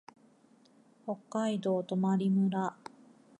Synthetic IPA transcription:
ho̞kːaid̪o̞ːt̪o̞maɾʲimɯ̟ɾa

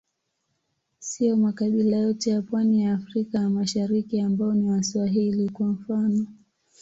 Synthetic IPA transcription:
siɔmakaɓilajɔtɛjapwanijaːfɾikajamaʃaɾikiambaɔniwaswaɦilikwam̩fanɔ

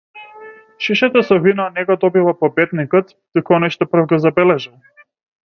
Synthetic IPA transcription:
ʃiʃat̪asɔvinanɛɡɔd̪ɔbivˠapɔbɛt̪nikɔt̪ | d̪̥ukɔnɔjʃt̪ɔpr̩vɡɔzabɛlɛʒɛ

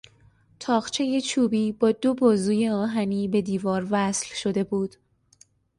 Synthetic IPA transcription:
t̪ʰɒːʁt͡ʃʰe̞je̞t͡ʃʰuːbiːbɒːd̪o̞bɒːzuːje̞ɒːɦæniːbe̞d̪iːvɒːɾvæslʃo̞d̪e̞buːd̪̥

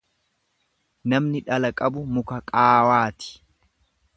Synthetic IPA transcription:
nɐmnɪᶑɐlɐkʼɐbʊmʊkɐkʼaːwaːt̪ɪ̥

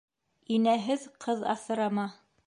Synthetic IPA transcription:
inæɦɘðqʰɤðɑ̰θɤ̆ɾɑmɑ

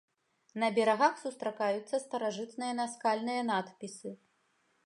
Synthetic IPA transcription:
nɐbʲɛɾaɣaxsust̪ɾakajut̪sːɐst̪ɐɾaʐɨt̪nɨjɐnaskalʲnɨjɐnat̪pʲisɨ

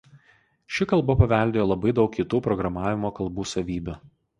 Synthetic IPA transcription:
ʃʲɪkɐlˠbɐpɐʋʲɛˑlʲd̪ʲeːjoːlˠɐbɐɪd̪ɒʊkʲkʲit̪uːpɾɔɡɾɐmɑːʋʲɪmoːkɐlˠbuːsɐʋʲiːbʲʊ

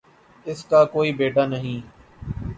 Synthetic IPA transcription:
ɪskaːkoːiːbeːʈaːnəɦĩː

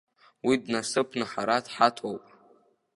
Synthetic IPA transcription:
widnasɨpʰnɨħaɾadħatʰowpʼ

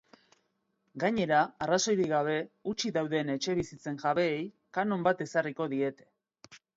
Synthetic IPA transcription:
ɡaɲe̞ɾaːraso̞jɾiɣaβ̞e̞ut͡ʃiðawðe̞ne̞t͡ʃe̞βisit͡se̞ŋʝaβe̞ːj | kano̞mbat̪e̞sariko̞ðie̞t̪e̞̥

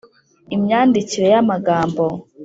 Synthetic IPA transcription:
imɲaːndiciɾe̞jamaɡaːmbo

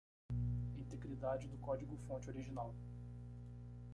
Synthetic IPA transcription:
ĩt̪eɡɾid̪ad͡ʒɪd̪ʊkɔd͡ʒiɡʊfõt͡ʃɪoɾiʒinaw

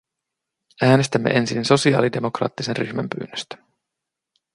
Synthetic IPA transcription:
æːne̞st̪æmːḛʔe̞nsinso̞siɑ̰ːlide̞mo̞krɑ̰ːt̪ːisenryçmæmpy̰ːnːøst̪æ̥

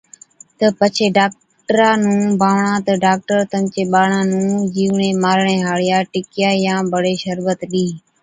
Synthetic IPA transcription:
t̪əpət͡ʃʰeːɖaːk̚ | ʈəɾãːnũːbʱaːʋɳãːt̪əɖaːk̚ʈəɾt̪əmt͡ʃeːɓaːɳãːnũːd͡ʒiːʋɳẽːmaːɾɳeːɦaːɭɪjaːʈɪkɪjaːjãːbəɽeːʃəɾʋət̪ɗiː

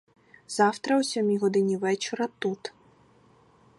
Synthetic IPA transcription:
zawt̪ɾɐwsʲɔmʲiɣɔd̪ɨnʲivɛt͡ʃɔɾɐt̪ut̪

